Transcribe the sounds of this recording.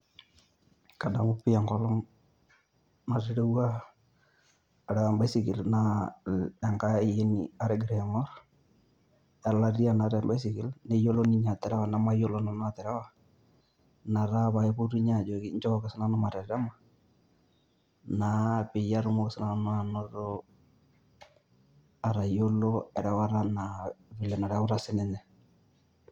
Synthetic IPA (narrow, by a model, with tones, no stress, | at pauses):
ka˨da˨mʊ˦pɪ˦a˨ŋɡɔ˦lɔ˦ŋ | na˨ɾɪ˦ɾe˦wa˦˨ | ɾɛ˨ka˨mba˦sɪ˨kɪ˨lna˦ | a˨ŋka˦ɪ˨je˦nḭ˨a˦ɾɛ˦ɡɪ˨ɾɛ˨mɔ˦ɾ | a˨la˦ri˦a˦˨na˨ɾɛ˨mba˦sɪ˨kɪ˨lne˦jo˦lo˦ni˦ɲa˨tɛ˨ɾɛ˦wa˨na˨ma˦jo˦lo˦nɔ˨n˦a˨tɛ˨ɾɛ˦wa˨ | na˨ɾa˦βa˨ɪ˦bu˦ɾi˦ɲa˦˨d͡ʒo˨kɪ˦ɲt͡ʃɔ˦kɔ˦kɪ˨sɪ˦na˦nʊ˦ma˨ɾɛ˨ɾɛ˦ma˨ | na˨pɪ˨ja˦ɾʊ˦mo˦kɪ˨sɪ˦na˦nʊ˦a˨nɔ˦ɾo˦ | a˨ɾa˨jo˦lo˦ɛ˨ɾɛ˨wa˦ɾa˦na˨bɪ˨lɛ˨na˨ɾɛ˦kʊ˦ɾa˦sɪ˦nɛ˦nɛ˨